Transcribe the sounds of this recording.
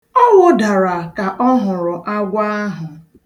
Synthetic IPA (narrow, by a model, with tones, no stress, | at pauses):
ɔ˦wʊ˦da˨ɾa˨ka˨ʔɔ˦ɦʊ˨ɾʊ˨ʔa˦ɡʷa˦ɦʊ˨